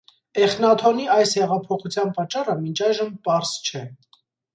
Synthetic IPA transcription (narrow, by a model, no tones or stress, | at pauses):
ɛχnɑt̪ʰɔniɑjshɛʁɑpʰɔχut͡sʰjɑnpɑt͡ʃːɑrəmint͡ʃʰɑjʒəmpɑɾst͡ʃʰɛ